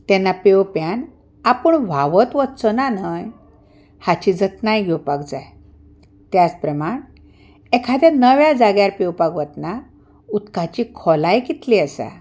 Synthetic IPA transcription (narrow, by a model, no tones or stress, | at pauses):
t̪ɛnːapewpjan | apəɳʋ̤ʱaʋət̪ʋət̪t͡sənanəj | hat͡ɕid͡zət̪najɡʱɛwpakd͡zaj | t̪jat͡spɾəmaɳ | ɛkʰad̪janəʋjad͡zaɡjaɾpewpakʋət̪na | ut̪kat͡ɕikʰɔlajkit̪liəsa̰